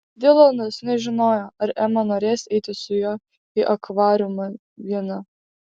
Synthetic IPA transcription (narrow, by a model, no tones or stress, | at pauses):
d̪ʲɪlˠonɐsnʲɛʒʲɪnoːjoːɐɾæmɐnoːɾʲeːsʲɛɪt̪ʲɪsʊjoː | iʔɐkʋɑːɾʲʊmɐ | ʋʲiɛnɐ